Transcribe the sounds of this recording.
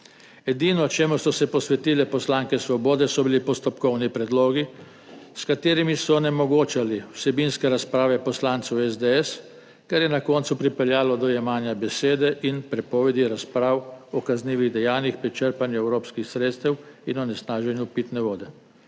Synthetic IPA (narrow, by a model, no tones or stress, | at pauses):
ɛd̪iːnɔt͡ʃeːmusɔsɛpɔsʋɛt̪iːlɛpɔslaːŋkɛsʋɔboːd̪ɛsɔbilipɔst̪ɔpkɔwnipɾɛd̪loːɡi | skat̪eːɾimisɔnɛmɔɡoːt͡ʃaliwsɛbinskɛɾaspɾaːʋɛpɔslaːnt̪suwɛzd̪ɛɛs | kɛɾjɛnakɔːnt̪supɾipɛljaːlɔd̪ɔjɛmaːnjabɛseːd̪ɛʔinpɾɛpɔːʋɛd̪iɾaspɾaːwɔkazniːʋiɣd̪ɛjaːnjixpɾit͡ʃəɾpanjuɛwɾoːpskixsɾeːt̪st̪ɛwinɔnɛsnaːʒɛnjupit̪nɛʋoːd̪ɛ